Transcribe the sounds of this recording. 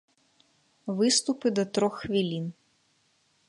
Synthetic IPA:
vɨst̪upɨd̪ɐt̪ɾɔxːvʲilʲin

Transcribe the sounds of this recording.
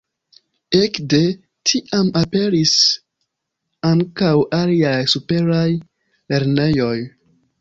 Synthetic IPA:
ekde̞ | tʰiʔamape̞ɾis | aŋkawaliajsupe̞ɾaj | le̞ɾne̞jo̞j

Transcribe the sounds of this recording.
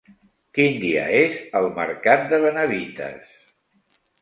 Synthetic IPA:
kind̪iə̰ezəlˠmə̰ɾkat̪̚d̪əβənəβit̪ə̰s

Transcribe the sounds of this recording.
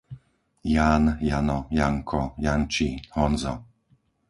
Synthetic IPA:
jaːnjanɔjaŋkʰɔjant͡ʃihɔnzɔ̰

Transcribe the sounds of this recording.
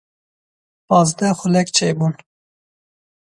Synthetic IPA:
pɑːzd̪ɛxəlɛkt͡ʃʰeːbuːn

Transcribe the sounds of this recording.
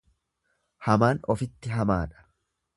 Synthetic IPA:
hɐmaːnɔfɪt̪ːɪɦɐmaːᶑɐ̥

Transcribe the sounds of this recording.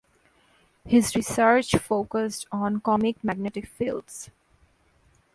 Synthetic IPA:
hɪzɾɪsəɾt͡ʃfoːkəsʈɔ̃ːnkɔmɪkmæɡ̚nɛʈɪkfilɖs

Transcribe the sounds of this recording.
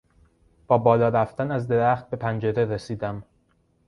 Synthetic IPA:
b̥ɒːbɒːlɒːɾæft̪ænæzd̪e̞ɾæxt̪̚be̞pʰænd͡ʒe̞ɾe̞ɾesiːd̪æm

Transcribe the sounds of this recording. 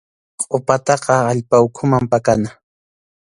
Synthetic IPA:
qʼopat̪ɑqɑːʎpawkʰʊmampakana

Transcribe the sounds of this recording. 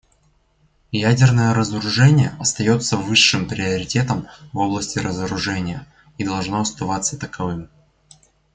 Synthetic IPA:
jædʲɪrnəjəɾəzəɾʊʐɛnʲɪjəʔɐst̪ɐjo̞t̪səvɨʂːɨmpɾʲɪəɾʲɪtʲe̞t̪əmvo̞blˠəsʲtʲɪɾəzəɾʊʐɛnʲɪjə | id̪ɐlˠʐno̞ɐst̪ɐvat̪sːət̪əkɐvɨm

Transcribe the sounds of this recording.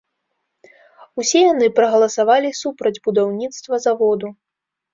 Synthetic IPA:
usʲɛjanɨpɾɐɣɐlˠɐsavalʲisupɾɐd͡zʲbud̪awnʲit̪st̪vɐzavɔd̪u

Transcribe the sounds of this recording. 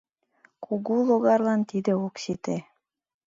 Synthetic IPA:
kuɣulˠoɣɑrlˠɑnt̪id̪ĕoksit̪e

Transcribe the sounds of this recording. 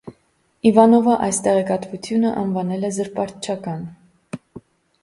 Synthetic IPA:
ivɑnɔvɑʔɑjst̪ɛʁɛkɑt̪vut̪ʰjunəʔɑnvɑnɛlɛzəɾpɑɾt̪t͡ʃʰɑkɑn

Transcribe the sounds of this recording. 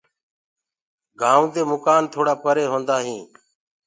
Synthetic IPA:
ɡʱãːd̪eːmʊkaːnt̪ʰoːɽaːpəɾeːɦõːnd̪aːɦĩː

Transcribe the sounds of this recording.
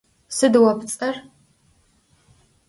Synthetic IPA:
sɨdɨwɐpt͡sʼɐr

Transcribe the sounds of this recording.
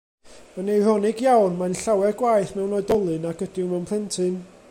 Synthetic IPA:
mənejrɔnɪɡjawnmanɬawɛɡwajθmɛwnɔɨdɔlˠɨnaɡədɪwmɛwnpʰɛntʰɨn

